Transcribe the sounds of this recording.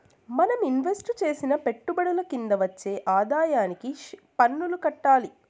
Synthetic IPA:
mɐnɐminʋe̞sʈt͡ʃe̞ːsinɐpe̞ʈːubɐɽɐlɐkind̪ɐʋɐt͡ʃːe̞ːʔaːd̪aːjaːnikipɐnːulukɐʈːaːli

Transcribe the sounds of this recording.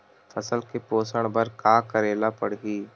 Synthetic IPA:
fʰɐsəlkepoːsəɽ̃bəɾkaːkəɾeːlapɐɽ̤ɡiː

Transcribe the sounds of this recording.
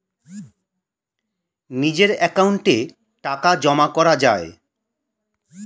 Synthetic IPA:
nid͡ʑeɾɛkauɳʈe | ʈakad͡ʑɔmakɔɾad͡ʑae

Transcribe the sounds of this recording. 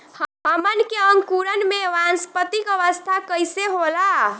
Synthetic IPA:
ɦəmənkeəŋkuɾənmẽʋanspət̪ikəʋəst̪ʰakəjseɦola

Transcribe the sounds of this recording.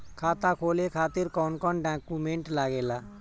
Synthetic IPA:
kʰaːt̪akʰoːlekʰaːt̪ɪɾkɔːnkɔːnɖãːkumẽːɳʈlaːɡeːlaː

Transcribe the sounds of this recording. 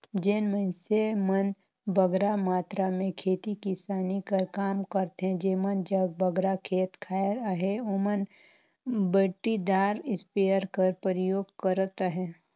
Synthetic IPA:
d͡ʒeːnmənsemən | bəɡɾamaːt̪ɾamẽkʰeːt̪ikisaːnikəɾkaːmkəɾt̪ɦɛ̃d͡ʒeːmənd͡ʒəɡ̚bəɡɾakʰeːt̪kʰaːɾɦeomən | bəʈːid̪aːɾɪspejəɾkəɾpəɾɪjoːɡkəɾt̪aɦɛː

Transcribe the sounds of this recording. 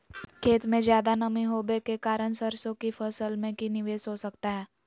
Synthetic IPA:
kʰeːt̪mẽzjaːd̪anəmĩɦoːbekekaːɾəɳ̃səɾsõkipʰəsəlmẽkinɪʋeːsɦosəkt̪aɦɛː

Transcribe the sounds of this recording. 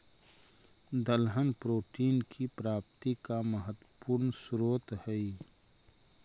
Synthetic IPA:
d̪əlɦənpɾoːʈiːnkʰipɾaːp̚t̪ikaməɦət̪əpuːɾnsʊɾoːt̪hɛi

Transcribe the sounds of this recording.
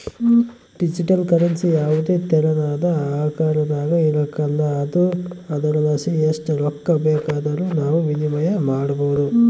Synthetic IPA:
ɖid͡ʒiʈɐlkɐɾɐnsijaːʋut̪eːt̪ɛɾɐnaːd̪ɐaːkaːɾɐd̪aːɡɐilɐkɐldɐːd̪uɐd̪ɐnɐnɐsieːsʈɾɔkːɐbɛːkaːd̪ɐɾunaːʋuʋinimɐjɐmaːɽɐboːd̪u

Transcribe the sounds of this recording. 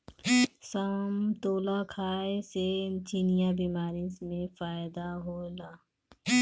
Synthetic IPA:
saːmt̪oːlakʰaːeset͡ʃinijabiːmaːɾismẽfaːɪd̪aɦoːlaː

